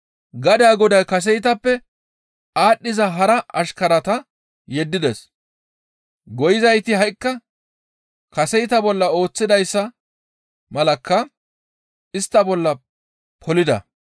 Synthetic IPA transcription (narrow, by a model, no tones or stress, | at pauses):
ɡɐd̪aːɡɔd̪ɐjkɐs̬ɛjt̪ɐpːɛ | aːɗːɪzɐɦɐɾɐɐʃkɐɾɐt̪ɐ | jɛd̪ːɪd̪ɛs | ɡɔjɪzɐjt̪ɪhɐjkːɐ | kɐsɛjt̪ɐbɔlːɐo̞ːt͡sːɪd̪ɐjsːɐ | mɐlɐkːɐ | ɪst̪ːɐbɔlːɐ | pʰɔlɪd̪ɐ̰